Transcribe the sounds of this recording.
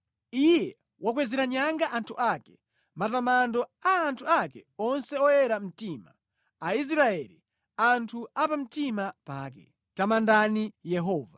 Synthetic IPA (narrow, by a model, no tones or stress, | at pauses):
ijɛ | wʔak̬wɛzɛɾaɲaŋɡaʔantʰuʔaːkɛ | matamandɔaːntʰuakɛ̰ɔnsɛɔjɛɾam̩tiːmaː | is̬ɾaɛːli | antʰuapam̩timapa̰ːkɛ̰ | tamandanijɛɦɔːva